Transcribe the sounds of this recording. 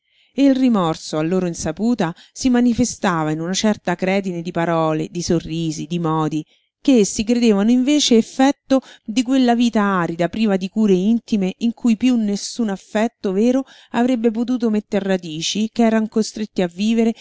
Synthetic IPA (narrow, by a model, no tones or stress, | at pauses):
eilrimɔrsoalːoːɾoinsapuːt̪asimanifest̪aːvainunat͡ʃɛrt̪akɾɛːd̪ined̪ipaɾɔːlḛd̪isorːiːzid̪imɔːd̪i | keesːik̬ɾed̪eːvanoiɱveːt͡ʃeːfːɛt̪ːod̪ikwelːaviːt̪aaːɾid̪apɾiːvad̪ikuːɾeint̪imeʔiŋkʰujpjunːesːunafːɛt̪ːoveːɾo | avɾebːep̬ot̪̬uːt̪omet̪ːerrad̪iːt͡ʃikeɛːɾaŋkost̪ɾet̪ːiavːiːveɾe